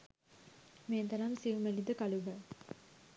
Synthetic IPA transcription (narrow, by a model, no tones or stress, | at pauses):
meːt̪ɐnɐmsiʋumelid̪əkɐluʋə